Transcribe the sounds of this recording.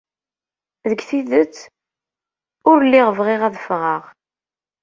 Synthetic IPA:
ðəɡθiðət͡sː | ʊɾlːiʁəvʁeʁæðəfʁəʁ

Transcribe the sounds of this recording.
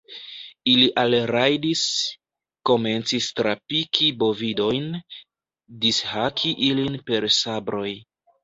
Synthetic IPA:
iliʔalɾajdis | ko̞me̞nt͡sistɾapikʰibo̞vido̞jn | dishakʰiʔilinpe̞ɾsabɾo̞j

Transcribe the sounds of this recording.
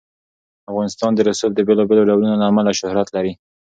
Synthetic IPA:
afɣɑnɪst̪ɑnd̪əɾasup̚d̪əbelɑbeloɖawlunolaːmalaʃʊhɾat̪laɾi

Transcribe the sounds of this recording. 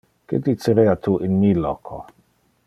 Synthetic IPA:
kḛd̪it͡seɾɛat̪ʰuʔinmilɔkʰo

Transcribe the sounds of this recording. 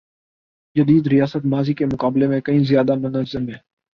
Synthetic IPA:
d͡ʒəd̪iːd̪ɾɪjaːsət̪maːziːkemʊkaːblemẽkəĩːzɪjaːd̪amʊnəzːəmɦɛː

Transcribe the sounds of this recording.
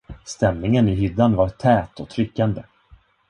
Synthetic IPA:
st̪ɛmnɪŋənɪɦʏd̪ːanvaɾt̪ʰɛːt̪ɔt̪ʰɾʏkːand̪ə

